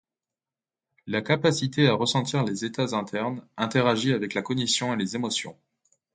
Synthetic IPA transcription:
lakapasit̪eaʁəsɑ̃t̪iʁlezet̪azɛ̃t̪ʰɛʁnɛ̃t̪eʁaʒiavɛklakɔnisjɔ̃elezemɔsjɔ̰̃

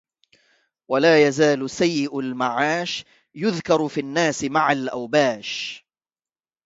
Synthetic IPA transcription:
walaːjazaːlʊsajːɪʔalmaʕaːʃ | jʊðkɑɾˤfiːnːaːsɪmaʕalʔawbaːʃ

